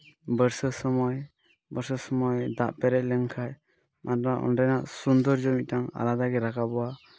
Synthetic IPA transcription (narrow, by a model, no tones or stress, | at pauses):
bəɾsəsɔmɔj | bəɾsɔsɔmɔjd̪aʔpɛɾɛʔ̚lɛŋkʰaj | mʔatɔnaʔɔ̰nɾajnaʔsund̪ɔɾd͡ʒɔmit̚taŋa̰lad̪aɡɛɾakʰabɔwa